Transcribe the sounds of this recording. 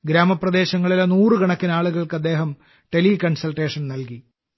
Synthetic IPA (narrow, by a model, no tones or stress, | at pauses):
ɡɾaːmɐprɐd̪e̞ːɕɐŋːɐɭilenuːrɨɡɐɳɐkːinaːɭuɣɐɭkɨɐd̪ːe̞ːɦɐm | ʈe̞likɐɳsɐlʈeːʂɐnnɐlki